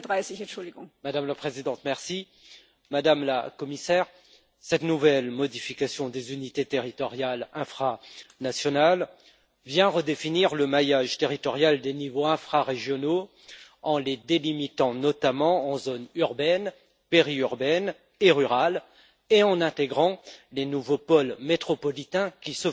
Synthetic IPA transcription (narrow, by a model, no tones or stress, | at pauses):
dʁaɪsɪçɛ̃nʃʊld̪iɡɔŋmad̪amlapχezid̪ɑ̃t̪mɛʁsi | mad̪amla̰kɔmisɛːʁ | sɛt̪nuvɛlmɔd̪ifikʲasjɔ̃d̪ezynit̪et̪eʁit̪ɔʁjalɛ̃fχanasjɔnal | vjɛ̃ʁəd̪efiniʁləmajaʒt̪eʁit̪ɔʁjald̪enivoɛ̃fχaʁeʒjɔno | ɑ̃led̪elimit̪ɑ̃nɔt̪amɑ̃ɑ̃zonyʁbɛn | peʁiyʁbɛn | eʁyʁal | eɑ̃nɛ̃t̪eɡʁɑ̃lenuvopɔlmet̪χɔpɔlit̪ɛ̃kʲisə